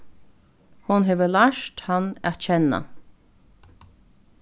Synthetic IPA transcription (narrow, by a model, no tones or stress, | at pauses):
hʊnɦeːʋəlaʂt̪hanæ̰t̪t͡ɕʰɛnːa̰